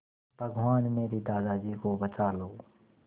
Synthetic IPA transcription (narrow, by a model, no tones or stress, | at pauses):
b̥ʱəɡʱʋaːnmeːɾid̪aːd̪aːd͡ʒiːkobət͡ʃaːloː